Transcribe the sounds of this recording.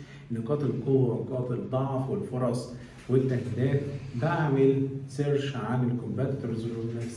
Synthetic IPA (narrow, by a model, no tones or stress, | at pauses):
nːɑqɑːt̪ˤelqowːæwnɑqɑːt̪ˤed̪ˤːɑʕfwɪlfoɾˤɑsˤ | wɪt̪ːæhd̪æːt̪baʕmɪlseɾʃʕanelkombæt̪t̪eɾˤzwunːæf